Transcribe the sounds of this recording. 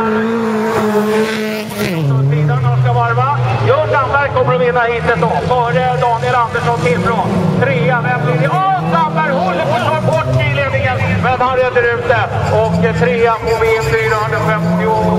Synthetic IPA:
t̪ɔt̪iːd̪anɔʂkavaɾvajɑːɡamlalkʰɔmːəɾɔvɪnːahiːt̪ɛt̪d̪ɔfœːɾəd̪ɑːɡ̪ɛland̪əʂɔt̪ʰɪlfɾont̪ʰɾeːamɛliɔsamːaɾhɔlːəɔɔʈbɔʈːiːleːd̪nɪŋənmɛd̪haɾed̪əɾɵp̚d̪ə | ɔkːt̪ʰɾeːapɔvenfyːɾaɦɵnafɛmt̪ɪɔ

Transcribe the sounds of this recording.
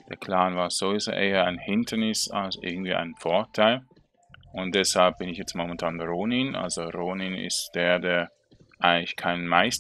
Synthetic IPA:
d̥eːɐkʰl̥aːnvaːɐz̥ovɪzo̰ʔeːɐaɪnhɪntʰɐnɪsa̰lsoʔɪ̰ɐɡŋ̩tv̥iːʔa̰ɪnfɔɐtʰaɪl | ʊnt̚d̥ɛshalp̚b̥ɪnɪçjɛt͡stmomɛntʰaːnʁoːnɪnʔa̰lzoʁoːnɪnɪ̰std̥eːɐdeːɐ | ʔaɪɡəlɪçkʰaɪnənmaɪs

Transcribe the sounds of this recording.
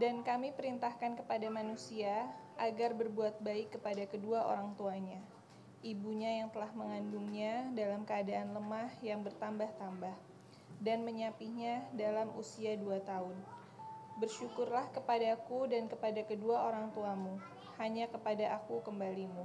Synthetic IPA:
dankamipəɾint̪ahkankəpadamanusiaʔaɡarbərbuat̪̚baɪkːəpadakəduaʔo̰ɾaŋt̪uaɲa | ʔibuɲajaŋt̪əlahməŋanduŋɲadalamkəadaʔanləmahjaŋbərt̪ambaht̪ambah | danməɲapihɲadalamʔṵsiaduat̪aʊn | bərʃukʊrlahkəpadakudankəpadakəduaʔoɾaŋt̪uamu | haɲakəpadaʔakukəmbalimu

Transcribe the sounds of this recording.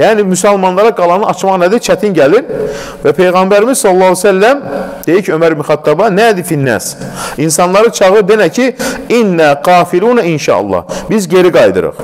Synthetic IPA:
jæːnimysælmɑnlˠɑɾɑɡɑlˠɑnɯɑt͡ʃmɑʁnæd̪it͡ʃʰæt̪ʰinɟæliɾ | væpʰe̞jɣɑmbæɾimizsɑlˠːɑːsælːæmd̪̥e̞jicʰømæɾmyxæt̪ʰːɑbɑnæd̪ifinːæ̰sinsɑnlˠɑɾɯt͡ʃʰɑʁɯɾd̪enæcʰiinːæːqɑːfiluːnæinʃɑ̰ʔɑ̰lˠːɑ̰hbizɟe̞ɾiɡɑjd̪ɯ̰ɾɯ̰χ

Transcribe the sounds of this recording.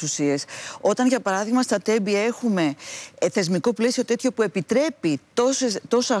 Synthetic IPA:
usieso̞t̪ɐnʝɐpɐɾɐðiɣmɐst̪ɐt̪e̞bie̞xume̞θe̞zmiko̞ple̞sio̞t̪e̞t̪çopue̞pit̪ɾe̞pit̪o̞set̪o̞sɐ

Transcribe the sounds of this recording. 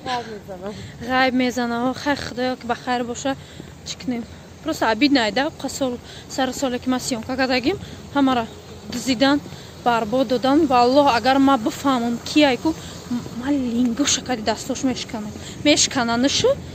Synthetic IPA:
enʁajbmezanahɔχajχəd̪ɔjɔkibaχajɾbɔʃa | t͡ʃʰi̥kʰɨnem | pʰɾɔst̪abid̪najd̪aqʰasɔl | saɾɨsɔlekimasijɔŋkakad̪aɡimhamaɾa | d̪ɨzid̪an | b̥aɾbɔd̪ːɔd̪anvaːlˠːɔhaɡaɾmabɨfamumkʰiajku | maliŋɡɔʃakʰad̪id̪ast̪ɔʃmeʃkʰana | meʃkʰananɨʃu

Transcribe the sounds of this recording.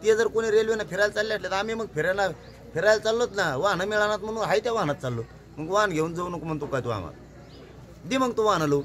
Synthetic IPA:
t̪ed͡zəɾkoɽ̃iɾelʋinafʰeɾajlt͡salːjaʈlat̪amiməɡ̚fʰeɾana | pʰeɾajlt͡salːot̪naʋanamiɭanat̪̚m̤əɽ̃uːnɦajt̪jaʋãɦnat̪̚t͡salːo | məɡʋanɡʱeund͡zəunəkumənt̪ukajt̪ua̰m̤a̰t̪ | d̪iməɡ̚t̪uʋanalo

